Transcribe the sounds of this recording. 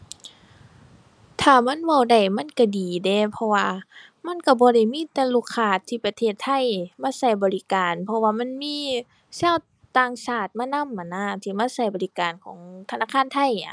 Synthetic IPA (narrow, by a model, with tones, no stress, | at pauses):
t̪ʰaː˧˩ma˧˥˨nwa˧˩wda˧˩jma˧˥˨nka˧˩diː˨dɛː˧pʰɔ˧waː˧ | ma˧˥˨nka˧˩bɔː˧˦ɾa˧˩jmiː˧˥˨t̪ɛː˧lu˧˩˨kʰːaː˧˩t̪ʰːiː˧pa˧t̪ʰeː˧˩t̪ʰːa˧˨jmaː˧˥˨sa˧˩jbɔː˨li˧˥kaː˨npʰɔ˧waː˧ma˧˥˨nmiː˧˥˨ | saː˧˥˨w | t̪aː˧˩ŋsaː˧˩t̪̚maː˧˥˨na˧˥˨mʔa˨nːa˧˩˨t̪ʰiː˧˩maː˧˥˨sa˧˩jbɔː˨li˧˩kaː˨˩nkʰɔː˨˦ŋt̪ʰa˧naː˧˩kʰaː˧˥˨nt̪ʰa˧˥˨ja˧˨